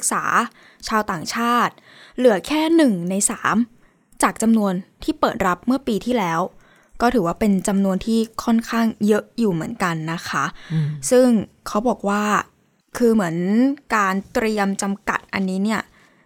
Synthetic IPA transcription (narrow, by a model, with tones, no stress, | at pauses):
k̚sa̰ː˩˦ | t͡ɕʰaː˧wt̪aː˨˩ŋt͡ɕʰaː˥˩t̪̚ | lɯ˩˦ɐkʰɛː˥˩nɯ˨˩ŋna˧jsaː˩˦m | t͡ɕaː˨˩k̚t͡ɕa˧mnu˧ənt̪ʰiː˥˩pɤː˨˩t̪̚ɾa˦˥p̚mɯ˥˩ɐpiː˧t̪ʰiː˥˩lɛː˦˥w | kɔː˥˩t̪ʰɯː˩˦waː˥˩pe˧nt͡ɕa˧mnu˧ənt̪ʰiː˥˩kʰɔ˥˩nkʰaː˥˩ŋjɤ˦˥ʔjuː˨˩mɯ˩˦ənka˧nːa˦˥kʰa˦˥sɯ˥˩ŋ | kʰa˦˥wbɔː˨˩k̚waː˥˩ | kʰɯː˧mɯ˩˦ənkaː˧nt̪ɾi˧əmt͡ɕa˧mka̰˨˩t̪̚ʔa̰˧nːiː˦˥ni˥˩ɐ